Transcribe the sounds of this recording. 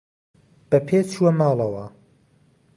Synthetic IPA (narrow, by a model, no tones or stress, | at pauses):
b̥ɐpʰeːt͡ʃʰuwɐmaːlˠɐwɐ